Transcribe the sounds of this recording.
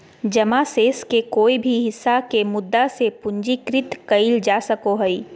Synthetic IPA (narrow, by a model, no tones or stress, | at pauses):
d͡ʒɐmaseːskekoːibʱiɦɪsːakemʊd̪ːasepʊɲd͡ʒikɾɪt̪kɐɪld͡ʒaːsɐkoɦɛi